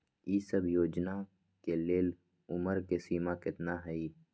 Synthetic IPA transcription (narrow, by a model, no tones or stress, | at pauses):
iːsəbʱjoːd͡ʒna | keleːl | ʊməɾkesiːmakɪt̪naɦɛiː